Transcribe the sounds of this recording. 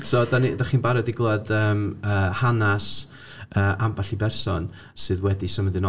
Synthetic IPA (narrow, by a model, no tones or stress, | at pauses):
soːdanidaχiːnbaɾɔdiɡlˠadəːməːhanas | əːʔambaɬibɛrsɔn | sɨːðwɛdisəmədɨn